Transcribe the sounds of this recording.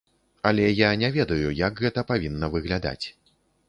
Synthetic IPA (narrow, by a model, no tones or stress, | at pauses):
ɐlʲɛjanʲɛvʲɛd̪ɐjujɐkɣɛt̪ɐpavʲinːɐvɨɣlʲad̪a̰t͡sʲ